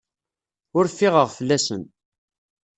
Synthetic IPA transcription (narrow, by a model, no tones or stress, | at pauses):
ʊɾfɪʁəʁfəlːæsən